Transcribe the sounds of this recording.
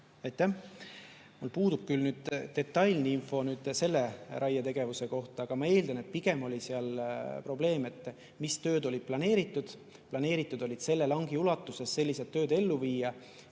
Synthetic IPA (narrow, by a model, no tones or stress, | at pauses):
ɑjt̪ːˑæh | mulpuːd̪̥ub̥̚kylnyːd̪̥t̪e̞t̪ːˑɑjlniinfo̞nyːd̪̥se̞lːe̞ɾʔɑjːɑt̪e̞ɡ̥e̞vuse̞ko̞ht̪ɑɑɡ̥ɑmɑe̞ːld̪ɑne̞t̪̚piɡ̥e̞mo̞lʲiseɑlpro̞ble̞ːme̞t̪ːˑ | mist̪ø̞ːd̪o̞lʲid̪̥̚plɑne̞ːɾit̪ːˑud̪̥ | plɑne̞ːɾit̪ːˑud̪̥o̞lʲid̪̥se̞lːe̞lɑŋɡ̥iulɑt̪ːˑuse̞sːe̞lʲːiset̪ːø̞ːd̪e̞lːuviːjɑ